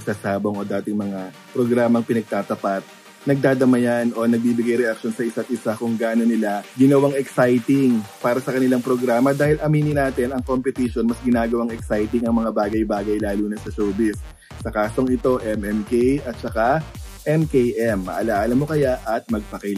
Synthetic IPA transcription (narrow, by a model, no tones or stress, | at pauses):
ɐsasaːboŋʔo̞d̪aːt̪ɪŋmɐŋa | pɾo̞ɡɾaːmɐŋpɪnɐɡ̚t̪aːt̪ɐpat̪̚ | nɐɡ̚d̪aːd̪ɐmɐjanʔo̞nɐɡ̚biːbɪɡajɾɛʔakʃo̞nsɐʔɪsat̪̚ʔɪsakʊŋɡaːʔno̞nɪlaɡɪnɐwaŋɛksajt̪ɪŋpaːɾɐsɐkɐnɪlaŋpɾo̞ɡɾaːmɐd̪aːhɪlʔɐmiːnɪnaːt̪ɛnɐŋko̞mpɛt̪iʃo̞nmɐsɡɪnaːɡɐwaŋɛksajt̪ɪŋɐŋmɐŋabaːɡɐjbaːɡɐjlaːluːnɐsɐsowbɪsː | ɐkaːso̞ŋɪt̪o̞ʔɛmɛmkejɐt̪̚t͡ʃɐka | ʔɛmkejʔɛmːɐ̰ʔɐlaʔːlɐmːo̞kɐjaʔɐt̪̚mɐɡ̚pɐkɐ